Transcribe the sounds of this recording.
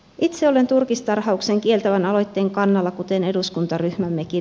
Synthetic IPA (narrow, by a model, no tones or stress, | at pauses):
ʔit̪seo̞le̞nt̪urkist̪ɑrhɑukse̞ŋkie̞lt̪æʋænɑlo̞jt̪ːeːŋkɑnːɑlːɑkut̪ene̞duskunt̪ɑryhmæmːeki